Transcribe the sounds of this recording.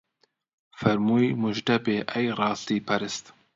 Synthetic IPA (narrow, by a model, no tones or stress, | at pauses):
fɛɾmuːjmuʒd̪ɐbeːʔɛjrɑːst̪iːpʰɐɾɨst̪